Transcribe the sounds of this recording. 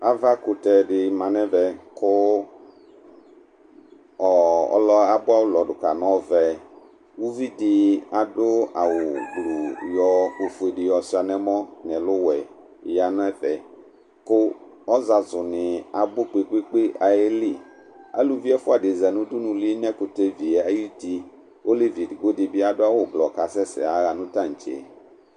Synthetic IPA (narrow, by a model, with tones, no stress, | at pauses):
a˨va˦kʊ˨tɛ˨ɖɪ˨mã˨nɛ̃˦vɛ˨kʊ˦ | ɔ˨ɔ̰˦lɔ˦a˨bʊ˦a˦wʊ˦lɔ˨ɖʊ˨ka˨nɔ̃˦vɛ˨ | wu˦vi˦dɪ˨a˨ɖʊ˦a˨wʊ˨ɡ͡blu˨jɔ˨e˨fʊ˨e˨ɖɪ˨jɔ˨sɪ˦a˨nɛ̃˦mɔ˦ɲɛ̃˨lʊ˦wɛ˨ | ja˨ñ˦ɛ˦fɛ˨ | kʊ˦ | ɔ˦za˨zʊ˨nɪ̃˨a˨bʊ˦k͡pe˦k͡pe˦k͡pe˦a˨e˦li˦ | a̰˨˦lu˨vi˦ɛ˦fʊ˦a˨dɪ˨zɛ˨nũ˦dʊ˦nũ˨li˦nɛ̃˦kʊ˨t̪e˦vi˨ɛ˨a˦ji˦t̪i˦ | o˦li˦vi˨dɡo˦dɪ˨bi˦a˨dʊ˦a˦wʊ˨blɔ˨ka˨sɛ˦sɛ̰˨a˨ɣa˨nũ˦tã˦˨ŋ̩˨t͡ʃḛ˨